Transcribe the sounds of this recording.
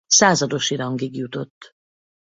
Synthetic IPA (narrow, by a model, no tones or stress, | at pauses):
saːzɒd̪o̞ʃiɾɒŋɡiɡjut̪o̞t̪ː